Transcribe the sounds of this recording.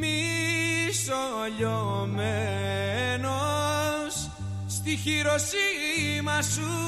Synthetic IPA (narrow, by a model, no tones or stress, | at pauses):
mi | so | ʎome | no | s | st̪içiɾosimɐsu